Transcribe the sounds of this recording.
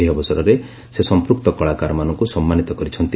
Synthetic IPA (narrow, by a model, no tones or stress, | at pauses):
ɦiɔbɔsɔɾɔɾe | sesɔmpɾuk̚t̪ɔkɔɭakaɾɔmanɔŋkusɔmːanit̪ɔkɔɾit͡ʃʰɔnt̪i